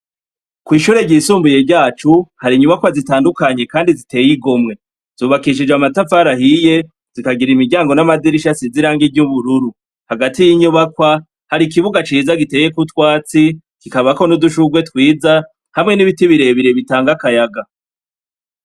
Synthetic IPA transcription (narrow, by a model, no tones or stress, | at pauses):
kwiːʃuːɾe̞ɟiːsuːmbuje̞bɟaːt͡ʃuhaɾiɲuβakwazitaːndukaɲe̞kaːndizite̞ːjiɡomŋe̞ | z̥uːβakiʃ̬id͡ʒamatafaɾahije̞ | z̥ikaɡiɾimiɟaːŋɡo̞namad͡ziɾiʃasiziɾaːŋɡivɟuβuɾuɾu | haɡatijiɲuβakwa | haɾik̬iβuɡat͡ʃiːzaɡite̞je̞kutwaːt͡si | kikaβako̞nuduʃuɡwe̞twiːza | hamŋe̞niβitiβiɾe̞βiɾe̞βitaːŋɡakajaɡa